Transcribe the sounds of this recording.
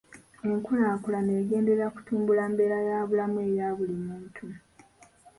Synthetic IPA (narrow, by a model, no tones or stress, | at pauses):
eŋkulaːkulane̞ːɡe̞ːndeɾaku̥tuːmbulaːmbe̞ɾajaːβulamue̞ːjaβulimuːntʰu